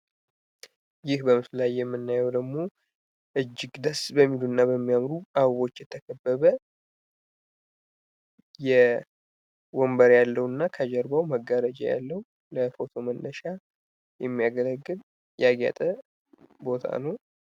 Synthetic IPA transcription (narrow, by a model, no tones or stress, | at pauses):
jɪhbəmɨflajːɛmːɨnːajɛwd̪əɡmo̞ | ʔɨd͡ʒːɪɡd̪əsbəmːiluɨnːaβəmːijamɾuʔaββo̞t͡ʃːjɛt̪ʰːəkʰəbːəβə | jɛ | wombəɾjalːəwɨnːakʰəd͡ʒɛɾbawməɡaɾəd͡ʒa̰ja̰lːəhu | ləfo̞t̪ʰo̞mənːəʃa | jɛmːijaɡələɡːɨl | jɛaɡja̰t̪ʼə | bo̞t̪ʰa̰nəw